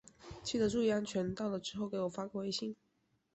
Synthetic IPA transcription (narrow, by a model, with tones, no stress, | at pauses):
t͡ɕʰi˥˩d̪ə˨ʈ͡ʂu˥˧i˥˧a˥nt͡ɕʰɥɛ˧˥nt̪ɑ˥˩ʊlə˩ʈ͡ʂɻ̩˥xo˥˩ʊke˧˥ɪwɔ˨˩fa˥kwɔ˥˧e˥˧ɪɕi˥˩ŋ